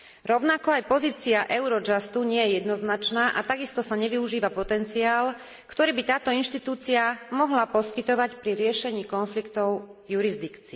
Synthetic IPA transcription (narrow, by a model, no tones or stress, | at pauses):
ɾɔʊnakɔajpɔziːt͡siaʔɛʊɾɔd͡ʒast̪uɲɪɛjɛjɛd̪nɔznat͡ʃnaːʔat̪aɡist̪ɔsaɲɛʋiuʒiːʋapɔt̪ɛnt͡siaːl | kt̪ɔɾiːbit̪aːt̪ɔinʃt̪it̪uːt͡siamɔɦlapɔskit̪ɔʋacpɾiɾɪɛʃɛɲiːkɔnflikt̪ɔʊjuɾizd̪ikt͡si